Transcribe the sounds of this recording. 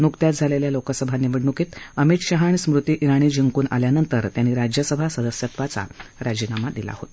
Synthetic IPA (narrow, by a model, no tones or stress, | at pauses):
nukt̪jat̪̚d͡zʱaleljalokəsəbʱaniʋiɽnukiːt̪əmit̪ɕaɦaɳismɾut̪iːʔiɾaɽ̃iːd͡ʑiŋkuːna̰ljanənt̪əɾt̪janːiːɾad͡ʑjəsəbʱasəd̪əsjət̪ʋat͡sa̰ɾad͡ʑinamad̪ila̰hot̪